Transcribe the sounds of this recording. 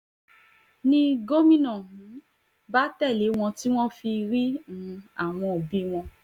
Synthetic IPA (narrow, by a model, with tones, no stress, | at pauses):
nĩ˧ɡo˦mĩ˦nɔ̃˨˦ | ba˦tɛ˦˨le˨˦w̃ɔ̃˧ti˦w̃ɔ̃˦fi˧ɾi˦ñ̩˨˦a˦˨w̃ɔ̃˧o˨bi˦w̃ɔ̃˧